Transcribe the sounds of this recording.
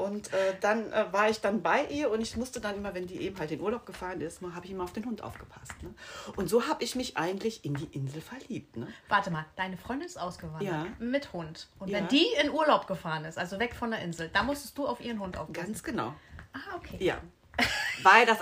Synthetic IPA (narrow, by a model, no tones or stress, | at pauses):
ʔʊntʔɛːd̥anʔɛːvaːɐɪçd̥anbaɪʔiːɐʊntɪçmʊstədanʔɪmɐvɛndiːʔeːbm̩ɦaltɪnuːɐlaʊp̚ɡ̥əfaːʁənɪstmaːɦaːbəɪçʔɪmɐaʊfd̥eːnɦʊntʔa̰ʊfɡ̥əpʰḁstnəʔʊntz̥oːɦaːbəɪçmɪçʔa̰ɪɡŋ̩tlɪçʔɪndiːʔɪnzl̩fɛɐliːp̚tnəv̥aɐtəmaːld̥aɪnəfʁ̥ɔʏndɪnɪstʔaʊsɡ̥əvajdaəːmɪthʊntʔʊntvɛnd̥iːɪnʔuːɐlaʊp̚ɡ̥əfaːʁənɪstʔalzovɛkfɔndeɐʔɪnzl̩d̥amʊstə̥st̚d̥uːaʊfʔiːʁənɦʊntʔa̰ʊfɡ̥ansɡ̥əna̰ʊʔaːʔokʰeːja̰ː | vaɪldas